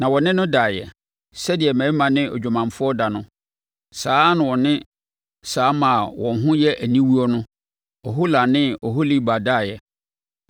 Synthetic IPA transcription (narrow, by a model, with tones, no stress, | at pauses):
nã˨wɔ˨nɪ̃˦nʊ̃˦daː˨jɛ̰˨ | sɛ˦dɪ˨ɛ˨mæ̃˨˦mã˨nɪ̃˦ɔ̰˨d͡ʑᶣu˨mã˨mfʊ˦ɔ˦da˨nʊ̃˦ | saː˨˦nʊ̃˨wɔ˨nɪ̃˦ | saː˨˦mã˨wʔɔ̃˨n˨ɦʊ̃˦jɛ˦ʔæ˨nĩ˦wu˦ɔ˦nʊ̃˦ | ɔ˨ɦo˦la˨nɪ̃˦ɔ˨ɦo˦li˦ba˨daː˦˨jɛ˨